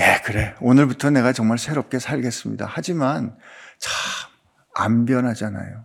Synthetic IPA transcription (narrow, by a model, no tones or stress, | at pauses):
jekɯɾe̞onɯɭputʰʌne̞ɣat͡ɕʌŋmaɭsʰe̞ɾʌp̚k͈e̞sʰaʎɡe̞s͈ɯmɲḭda̰had͡ʑimant͡ɕʰam | a̰mbjʌnɦad͡ʑana̰jo